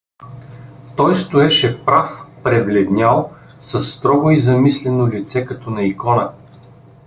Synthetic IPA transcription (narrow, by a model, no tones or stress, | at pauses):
t̪ɔjst̪ʊɛʃɛpɾafpɾɛvlʲɛd̪nʲalˠ | sɐsːt̪ɾɔɡʊizɐmislɛnolʲit̪sɛkɐt̪ɔnɐikɔnə